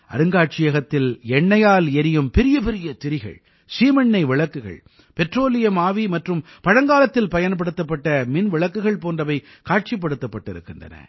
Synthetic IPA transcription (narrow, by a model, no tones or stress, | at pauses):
ɐ̰ɾɯŋɡaːʈ̚t͡ʃɪjɐɣɐt̪ːɪlɛɳːɐjaːlɛɾɪjɯmpɛɾɪjɐpɛɾɪjɐt̪ɪɾɪɣɐ̰ɭ | siːmɐɳːɐɪʋɪɭɐkːɯɣɐ̰ɭ | pɛʈroːlɪjɐmaːʋimɐʈrɯm | pɐɻɐŋɡaːlɐt̪ːɪlpɐjɐnp̬ɐɽɯt̪ːɐp̬ːɐʈːɐmɪnʋɪɭɐkːɯɣɐɭpoːndrɐʋɐɪkaːʈ̚t͡ʃɪp̬ːɐɽɯt̪ːɐpːɐʈːɪɾɯ̰kːɪndrɐ̰nɐ̰